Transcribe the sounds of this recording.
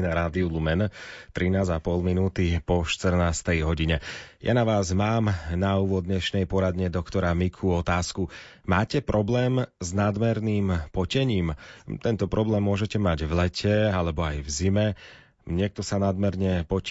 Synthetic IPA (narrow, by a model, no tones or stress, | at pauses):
naɾaːd̪iulumɛnt̪ɾinaːzapɔlˠminuːt̪ipɔʃt̪r̩naːst̪ɛjɦɔɟiɲɛjʔa̰naʋaːzmaːmnauːʋɔd̪ɲɛʃnɛjpɔɾad̪ɲɛd̪ɔkt̪ɔɾamikʰuɔt̪aːsku | maːcɛpɾʔɔblɛːmznad̪mɛɾniːmpɔcɛɲiːmt̪ɛnt̪ɔpɾɔblɛːmːʊɔʒɛcɛmaɟvlɛcʰɛalɛbɔajvzimɛ | ɲɪɛk̚t̪ɔsanad̪mɛɾɲɛpɔ